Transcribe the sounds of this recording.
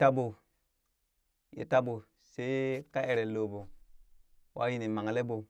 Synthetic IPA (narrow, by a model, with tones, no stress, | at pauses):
ta˦bo˨ | jḛ˨ta˦bo˨ | se˦ka˦e˨ɾe˨lo˨bo˨ | wʔa̰˦ji˦ni˨ma˨ŋ˨le˦bo˨